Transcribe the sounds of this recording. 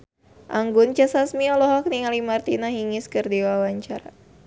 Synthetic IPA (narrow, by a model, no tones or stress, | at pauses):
ʔaŋɡʊnt͡ʃasasmiɔlɔɦɔk̚niŋalimart̪inaɦiŋɪskɨrdiwawaɲt͡ʃaɾa